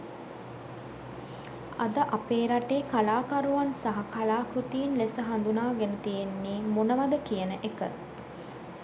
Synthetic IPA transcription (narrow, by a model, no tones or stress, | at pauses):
a̰d̪əʔapeːɾaʈeːkalaːkaɾuʋansaɦakalaːkut̪iːnlesəɦand̪unaːɡenət̪ijenːiːmonəʋad̪əkijənəʔekə̰